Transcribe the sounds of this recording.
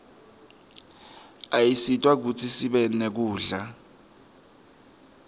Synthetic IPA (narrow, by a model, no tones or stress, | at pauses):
ajisitʼwak̬utʰisiɓɛnek̬uːɮa